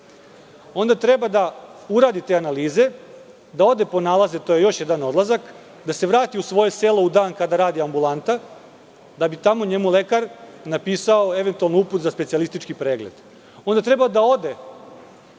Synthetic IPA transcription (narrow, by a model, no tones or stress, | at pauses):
o̞nd̪at̪ɾe̞bad̪auɾaːd̪it̪eːanaliːze̞ | d̪ao̞d̪epo̞naːlˠazet̪o̞ːje̞jo̞ʃje̞d̪ano̞d̪lˠazak | d̪ase̞ʋɾaːt̪iusʋo̞je̞selo̞ud̪aːnkad̪aɾaːd̪iambulˠant̪a | d̪abit̪amo̞ɲe̞mule̞kaɾnapiːsao̞e̞ʋe̞nt̪ualnouput̪zaspesialist̪it͡ʃkipɾeːɡled̪̥ | ond̪at̪ɾe̞bad̪ao̞d̪e̞